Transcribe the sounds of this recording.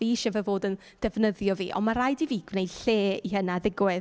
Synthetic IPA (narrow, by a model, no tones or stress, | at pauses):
viːʃɛvəvoːdən | d̥ɛvnəðjɔvḭːʔɔ̰nmaɾajdiviːɡvnejd̥ɬeːiɦənaðɪɡwɛ